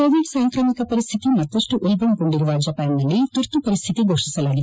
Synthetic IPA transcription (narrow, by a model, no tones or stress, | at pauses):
koːʋiɖsaːŋkɾɐːmikɐpɐɾist̪ʰit̪imɐt̪ːɐʂʈuʔulbɐmkoɳɖiɾuʋaːd͡ʒɐpaːnnɐlːit̪uɾt̪upɐɾist̪ʰit̪iɡoːʂisɐlaːɡid̪